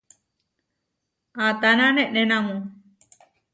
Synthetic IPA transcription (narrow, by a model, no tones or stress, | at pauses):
at̪ananeʔnenamu